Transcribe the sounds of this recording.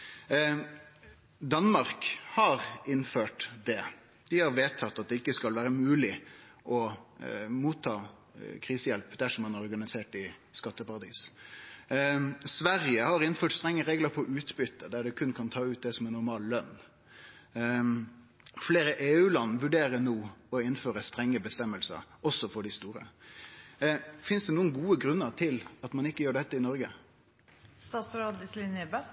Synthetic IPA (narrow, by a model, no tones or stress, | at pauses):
d̪ɑnːmɑɾkhɑɾɪnføːʈd̪ɛ | d̪̥ɪhɑɾʋeːt̪ʰːɑt̪ːɑt̪̚d̪ɛɪkːəskɑlʋæːɾəmʉːlɪ | ʔɔ | muːt̪ʰːɑː | kʰɾiːsəjɛlpd̪æʂɔmːɑnɑɾɔɾɡɑnɪseːʈɪ | skɑt̪ːəpɑɾɑd̪ḭːs | sʋæɾjəhɑɾɪnføːʈst̪ɾɛŋːəɾeːɡləɾpʰɔʔʉːt̪bʏt̪ːəd̪æɖɛkʰʉnkʰɑnt̪ʰɑːʉːt̪̚d̪ɛsɔmɛnʊɾmɑːllœnː | fleːɾəʔeːʉːlɑnːʋʉɖeːɾənoːɔɪnføːɾəst̪ɾɛŋːəbəst̪ɛmːəlsə̰ɾɔsɔfɔɖɪst̪uːɾə̰ | fɪnsd̪ɛnuːənɡuːəɡɾʉnːəɾt̪ʰɪlɑt̪mɑnɪkːəjøːɖɛt̪ːəɪnɔɾɡə | st̪ɑːsɾoːd̪ɪslɪnəbə